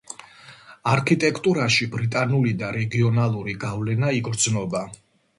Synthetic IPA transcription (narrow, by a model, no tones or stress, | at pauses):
aɾkʰit̪ʼɛkʰʼt̪ʼuɾaʃibɾit̪ʼanulid̪aɾɛɡiɔnalˠuɾiɡavlɛnaiɡɾd̪znɔba